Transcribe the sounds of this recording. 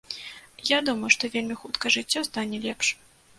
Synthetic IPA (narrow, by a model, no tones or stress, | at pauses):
jad̪umɐjuʂt̪ɔvʲelʲmʲixut̪kɐʐɨt͡sʲːɔst̪anʲɛlʲɛpʂ